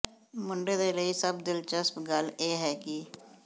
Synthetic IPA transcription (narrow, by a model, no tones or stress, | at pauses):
mʊɳɖeːd̪eːləisəb̚d̪ɪlt͡ʃəspɡəleːɦɛːki